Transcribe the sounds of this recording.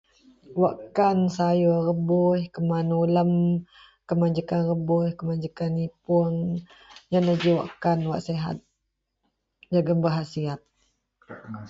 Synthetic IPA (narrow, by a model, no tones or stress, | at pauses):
waʔkansajorəbuhkəmanuləm | kəmad͡ʒəkanrəbʊhkəmad͡ʒəkanipuəŋ | janad͡ʒiwaʔkanwaʔseɦa̰t̪̚ | d͡ʒaɡəmbəɦasiat̪̚